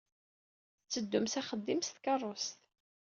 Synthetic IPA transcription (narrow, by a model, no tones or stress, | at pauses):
t͡sːəd̪ːʊmsæχəd̪ːimst̪kɑrˤːost̪